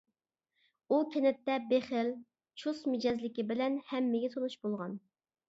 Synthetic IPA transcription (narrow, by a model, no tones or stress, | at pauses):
ukʲenɛt̪ːɛbeχɪl | t͡ʃʰusmɪd͡ʒɛzlɪkʲibɪlɛnhɛmːɪɡʲɛt̪ʰonuʃbolˠʁɑn